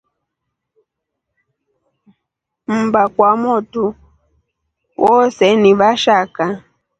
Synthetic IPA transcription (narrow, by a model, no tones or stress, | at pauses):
m̩bakwamɔtu | wʔɔsɛniβaʃaka